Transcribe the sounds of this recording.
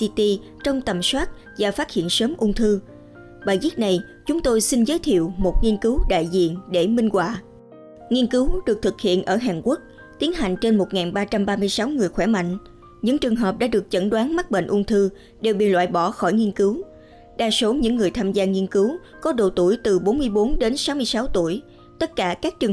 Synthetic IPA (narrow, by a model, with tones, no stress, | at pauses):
i˧t̪i˧ | t͡ɕə˧wŋ͡mt̪ə˨˩mswaː˦˥t̚ | vaː˨˩faː˦˥t̚hḭ˧˨ənsəː˨˦mʔʊ˧ŋ͡mt̪ʰɨ˧ | ɓaː˧˨jzi˦˥t̚na˨˩j | t͡ɕʊ˨˦ŋ͡mt̪o˧jsi˧ŋ̟zəː˨˦jt̪ʰḭ˧˨əwmo˨˩t̚ŋi˧ənkɨ˨˦wɗa̰ː˧˨jzḭ˧˨ənɗe˧˩mï˧ŋ̟kwaː˧˨ | ŋi˧ənkɨ˨˦wɗɨ˨˩ək̚t̪ʰɨ˨˩k̚hḭ˧˨ənʔəː˧˩ɦaː˨˩ŋku˦˥ək̚ | t̪i˨˦ənɦa˨˩jŋ̟t͡ɕe˧nmo˨˩t̚ŋaː˨˩nɓaː˧t͡ɕa˧mɓaː˧mɨ˧əjsa˨˦wŋɨ˨˩əjxwɛ˧˩ma̰˧˨ŋ̟ | ɲɨ̰˧˥ŋt͡ɕɨ˨˩əŋɦəː˨˩p̚ɗa̰ː˧˥ɗɨ˨˩ək̚t͡ɕə˧˩nɗwaː˨˦nma˦˥t̚ɓḛ˧˨ŋ̟ʔʊ˧ŋ͡mt̪ʰɨ˧ | ɗe˨˩wɓḭ˧˨lwa̰ː˧˨jɓɔ˧˩xɔ˧˩jŋi˧ənkɨ˨˦w | ɗaː˧˩so˨˦ɲɨ̰˧˥ŋːɨ˨˩əjt̪ʰaː˧mzaː˧ŋi˧ənkɨ˨˦w | kɔ˨˦ɗo̰˧˩t̪u˧˩əjt̪ɨ˨˩ɓo˨˦nmɨ˧əjɓo˨˦nɗe˨˦nsa˨˦wmɨ˧əjsa˨˦wt̪u˧˩əj | t̪ə˦˥t̚kaː˧˩kaː˦˥k̚t͡ɕɨ˨˩əŋ